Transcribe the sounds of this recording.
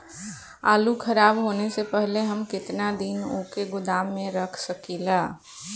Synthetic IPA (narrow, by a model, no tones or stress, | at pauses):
aːlukʰəɾaːbɦoːnesepəɦleɦəmkɪt̪nad̪inokeɡʊd̪aːmːẽɾəkʰsəkila